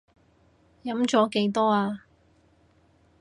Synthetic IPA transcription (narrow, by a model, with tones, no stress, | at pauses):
jɐ˨˥mt͡sɔː˨˥ke˨˥jt̪ɔː˥aː˧